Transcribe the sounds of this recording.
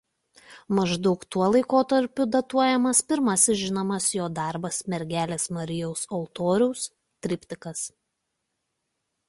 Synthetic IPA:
mɐʒd̪ɒʊkt̪uɔlˠɐɪkoːt̪ɐɾʲpʲʊd̪ɐt̪uɔjɛmɐspʲɪɾmɐsʲɪsʒʲɪnomɐsjoːd̪ɑˑɾbɐsmʲɛɾʲɡʲæːlʲeːsmɐɾʲɪjɔʊsɔlˠt̪oːɾʲɛʊs | t̪ʲɾʲɪpʲt̪ʲɪkɐs

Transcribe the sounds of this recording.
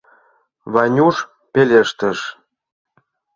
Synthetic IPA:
βɑnʲuʃ | pelʲeʃt̪ə̆ʃ

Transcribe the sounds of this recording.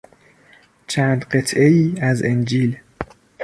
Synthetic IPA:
t͡ʃʰæːnd̪ɢe̞t̪ʰʔe̞iːæzend͡ʒiːl

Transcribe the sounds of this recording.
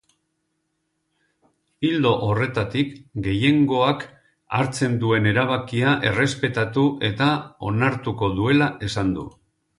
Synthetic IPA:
ild̪o̞ʔore̞t̪at̪ikɡe̞je̞ŋɡo̞ak | a̰ɾt͡se̞nd̪ue̞ne̞ɾaβ̞akiaʔe̞re̞spe̞t̪at̪uʔe̞t̪ao̞naɾt̪uko̞ðue̞laʔe̞sand̪ṵ

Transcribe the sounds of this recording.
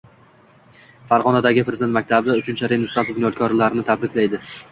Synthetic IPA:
faɾʁɒnad̪aɡʲɪpʰɾezd̪ent̪makʲt̪ʰabɪd̪aʊt͡ʃʰɪnt͡ʃʰaɾenɪsɾat̪bɪnjɒt̪̚kʰɒɾlaɾɪnɪt̪ʰabɾɪkʲlajd̪ɪ

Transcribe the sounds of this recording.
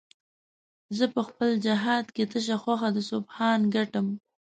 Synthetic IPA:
zəpəxpəld͡ʒaɦɑd̪ket̪əʃ̬axwaxad̪əsobxɑnɡaʈəm

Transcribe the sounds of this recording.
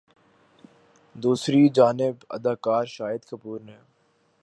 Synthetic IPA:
d̪uːsɾid͡ʒaːnɪbɐ̰d̪aːkaːɾʃaːjəd̪kɐpuːɾnẽ

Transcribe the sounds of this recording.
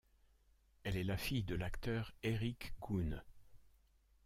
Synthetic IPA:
ɛlɛlafijd̪əlakt̪œʁeʁikɡun

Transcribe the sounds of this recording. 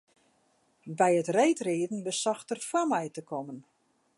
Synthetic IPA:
bɛjətrejtriədn̩bəsɔxtərfamɛjtəkʰɔmən

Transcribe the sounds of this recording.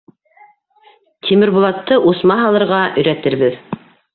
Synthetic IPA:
t̪ʲʰimɘ̆ɾbulˠɑt̪ːɤʔusmɑɦɑlˠɤ̆ɾʁɑʔɵ̆jɾæt̪ɘɾβɘð

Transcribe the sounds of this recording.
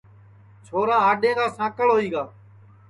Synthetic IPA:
t͡ʃʰoːɾaːɦaːɗẽːkaːsãːkəɭɦoːiːɡaː

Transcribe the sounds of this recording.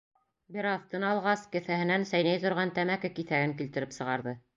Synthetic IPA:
bɘɾɑθt̪ɤnɑlˠʁɑskɘ̆θæhɘ̆nænsæjnæjt̪ŏɾʁɑnt̪æmækɘkiθæɡɘŋkilt̪ɘ̆ɾɘpsɤ̆ʁɑɾðɤ

